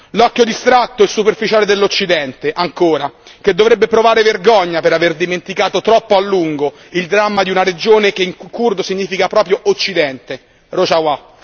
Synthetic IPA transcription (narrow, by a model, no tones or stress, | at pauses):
lɔkːjod̪ist̪ɾat̪ːoɛsːuperfit͡ʃaːled̪elːot͡ʃːid̪ɛnt̪eʔaŋkoːɾak̟ed̪ːovɾebːepɾovaːɾeverɡɔɲːapeɾaverd̪iment̪ikaːt̪ot̪ɾɔpːoalːuŋɡo | ild̪ɾamːad̪iunaɾed͡ʒoːnekeiŋkurd̪osiɲːiːfikapɾɔːpɾjoʔot͡ʃːid̪ɛnt̪e | rot͡ʃawa